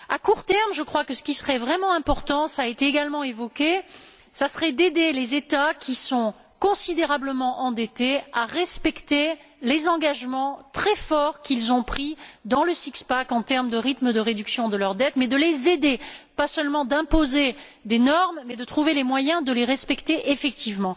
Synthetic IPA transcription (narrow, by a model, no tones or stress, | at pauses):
akuʁt̪ɛʁmʒəkχwakəsə̥kʲisəʁɛvʁɛmɑ̃ɛ̃pɔʁt̪ɑ̃saːet̪eːɡalmɑ̃evɔkʲe | sasəʁɛd̪ed̪elezet̪akʲʰisɔ̃ | kɔ̃sid̪eʁabləmɑ̃ʔɑ̃d̪ɛt̪eaʁɛspɛkt̪elezɑ̃ɡaʒmɑ̃t̪χɛfɔʁkʲilzɔ̃pχid̪ɑ̃ləsikspakɑ̃t̪ɛʁməd̪əʁit̪məd̪əʁed̪yksjɔ̃d̪əlœʁd̪ɛt̪mɛd̪əlezed̪epasœlmɑ̃d̪ɛ̃poze | d̪enɔʁmːɛd̪ət̪χuvelemwajɛ̃d̪əleʁɛspɛkt̪eʔefɛk̚t̪ʰivmɑ̃